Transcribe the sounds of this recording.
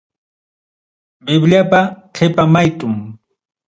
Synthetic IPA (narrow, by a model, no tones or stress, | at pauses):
bɪbʎapaqʰepamajt̪ʼʊm